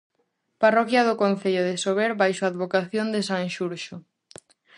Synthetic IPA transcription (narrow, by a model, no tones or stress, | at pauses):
parɔkjaðʊkonθeʎʊðesoβeɾbajʃoaðβokaθjond̪esaŋʃuɾʃo